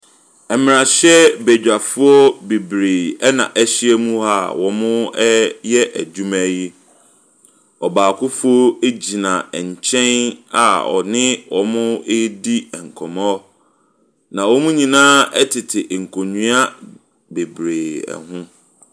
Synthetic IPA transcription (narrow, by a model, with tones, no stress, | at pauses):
ɛ˨mɪ̃˨ɾa˨ɕɛ˦be˨d͡ʑᶣa˨fʊ˦ɔ˦be˨bɾeː˨ɛ˦nã̰˨ʔæ˦ɕɪ˦ɛ˦mũ˦ɦa˦wɔ˨mʊ̃˦jɛ˦ʔæ˨d͡ʑu˦mæ˦ji˦ | ɔ˨baː˨kʰʊ˦fʊ˦o˦e˦d͡ʑi˨nã˨ɛ˨ɲ̩˨t͡ɕʰɛ̃˦na̰˨ɔ̰˨nɪ̃˦wɔ˨mʊ̃˦e˦di˦ɛ˨ŋ̩˨kʰɔ̃˨mɔ̃˦ɔ˦ | nã˨wɔ˦mũ˦ɲĩ˨nãː˦ɛ˦tʰɪ˨tʰɪ˨ʔŋ̩˨kʰo˨ɲũ˦a˦ | be˨bɾeː˨ɛ̰˨hʊ̃˦